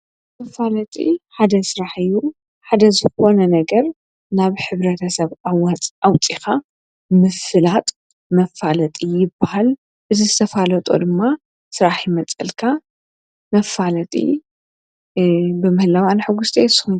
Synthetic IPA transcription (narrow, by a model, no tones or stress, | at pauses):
mɐfalɐt̪ʼḭħad̪ɐsɨɾaħɨjːu | ħad̪ɐzɨxo̞nɐnɐɡɐɾ | naβħɨβɾɐt̪ʰɐsɐβawat͡sʼʔawt͡sʼixa | mɨfɨlat̪ʼ | mɐfalɐt̪ʼijɪbːahal | ʔɨzɨzɨt̪ʰɐfalɐt̪ʼo̰d̪ɨmːa | sɨɾaħjɪmɐt͡sʼɨlkʰa | mɐfalɐt̪ʼḭ | bɨmɨhɨlawanħɨɡust̪ʰʼḛsxu